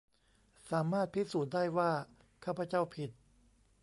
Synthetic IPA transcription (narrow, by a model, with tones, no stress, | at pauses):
saː˩˦maː˥˩t̪̚pʰi˦˥suː˨˩t̪̚daː˥˩jwaː˥˩ | kʰaː˥˩pʰa˧t͡ɕa˥˩wpʰi˨˩t̪̚